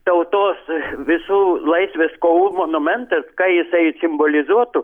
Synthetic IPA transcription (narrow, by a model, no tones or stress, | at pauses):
t̪ɐʊt̪oːsʋʲɪsuːlˠɐɪsʲʋʲeskouːmonʊmʲɛnt̪ɐskɐɪjɪsɐɪsʲɪmbolʲɪzuɔt̪ʊ